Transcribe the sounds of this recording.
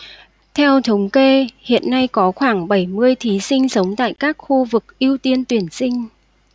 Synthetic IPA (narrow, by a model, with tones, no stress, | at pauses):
t̪ʰɛ˧wt̪ʰə˨˦wŋ͡mke˧hḭ˧˨ənːa˧jkɔ˨˦xwaː˧˩ŋɓə˧˩jmɨ˧əjt̪ʰi˨˦sï˧ŋ̟sə˨˦wŋ͡mt̪a̰ː˧˨jkaː˦˥k̚xu˧vɨ˨˩k̚ʔi˧əwt̪i˧ənt̪wi˧˩ənsï˧ŋ̟